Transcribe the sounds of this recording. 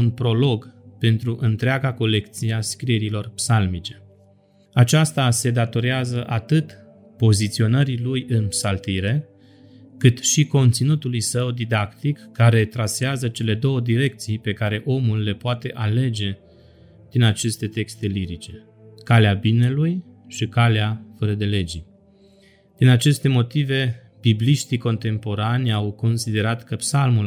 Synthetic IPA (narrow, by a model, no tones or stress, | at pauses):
unpɾo̞lo̞ɡpe̞nt̪ɾuʔɨnt̪ɾeaɡako̞le̞kt̪siaskɾieɾilo̞rpsalmit͡ʃe̞̥ | at͡ʃast̪ase̞d̪at̪o̞ɾeazəʔat̪ɨt̪ | po̞zit̪sio̞nəɾilujɨnpsalt̪iɾe̞ | kɨt̪ʃiko̞nt̪sinut̪ulujsəwd̪id̪akt̪ikːaɾe̞t̪ɾaseazət͡ʃe̞le̞d̪o̞wəd̪iɾe̞k̚t̪sijpe̞kaɾe̞ʔo̞mulːe̞poat̪e̞ʔale̞d͡ʒe̞ | d̪̥inat͡ʃe̞st̪e̞t̪e̞kst̪e̞liɾit͡ʃe̞ | kaleabine̞luj | ʃikaleafəɾəd̪e̞le̞d͡ʒi | d̪̥inat͡ʃe̞st̪e̞mo̞t̪ive̞ | b̥ibliʃt̪iko̞nt̪e̞mpo̞ɾanʲawko̞nsid̪e̞ɾat̪kəpsalmul